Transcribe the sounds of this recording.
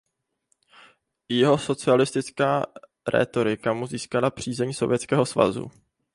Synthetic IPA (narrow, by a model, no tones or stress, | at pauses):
jɛɦo̞so̞t͡sɪalɪst̪ɪt͡skaː | ɾʔɛ̰ːt̪o̞ɾɪkamuziːskalapr̝̥iːzɛɲso̞vjɛt͡skɛːɦo̞sva̰zṵ